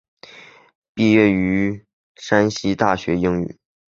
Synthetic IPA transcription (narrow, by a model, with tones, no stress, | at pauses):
pi˥˧ɥɛ˥˩y˧˥ | ʂa˥nɕi˥t̪a˥˩ɕɥɛ˧˥jɪ˥ŋy̰˥˩˦